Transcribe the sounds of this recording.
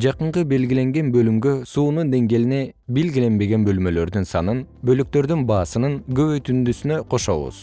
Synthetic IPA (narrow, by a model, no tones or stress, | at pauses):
d͡ʒɑqɯɴqɯbe̞lɡʲile̞ŋɡe̞nbø̞lymɡø̞suːnund̪e̞ŋɡe̞line̞be̞lɡʲile̞nbe̞ɡe̞nbø̞lmø̞lø̞ɾd̪ynsɑnɯnbø̞lyk̚t̪ø̞ɾd̪ynbɑːsɯnɯnɡø̞βø̞jt̪ynd̪ysynø̞qʰo̞ʃo̞̰βṵz̥